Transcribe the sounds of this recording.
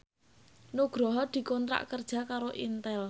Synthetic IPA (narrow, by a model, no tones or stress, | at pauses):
nuɡ̥ɾɔɦɔd̪̥i̤kɔnt̪ɾa̰ʔkərd̥ʒ̥a̤kaɾoʔint̪ɛl